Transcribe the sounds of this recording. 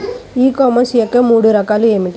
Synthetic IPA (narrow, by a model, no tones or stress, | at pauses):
iːkoːmɐnsjɐkːɐmuːɽɯɾɐkːaːlɯemiʈː